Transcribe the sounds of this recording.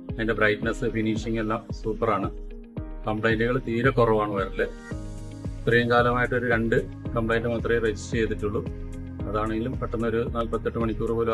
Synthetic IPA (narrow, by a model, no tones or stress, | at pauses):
ɐðindebrɐjʈnesɨfiniːʂiŋːe̞lːaːmsuːpːɐraːɳɨ | kɐmpɭɐjnduɣɐɭt̪iːɾɐkorɐʋaːɳɨɐjɐrilːe | t̪rijɐŋkaːlɐmaːjiʈːo̞ɾuɾe̞ɳɖɨ | kɐmpɭɐjndɨmɐt̪ːrijred͡ʑistːɨt͡ɕe̞jt̪ːiʈːuɭːu | ɐðaːɳe̞ŋɡilumpɐʈːunːɐo̞ɾunaːlpɐt̪ːeʈːɨmɐɳikʲːuːrupo̞ːlu